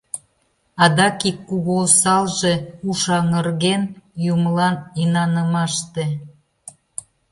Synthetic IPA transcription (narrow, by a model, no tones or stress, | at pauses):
ɑd̪ɑkikːuɣosɑlʒeuʃɑŋərɣenjumlɑninɑnəmɑʃt̪e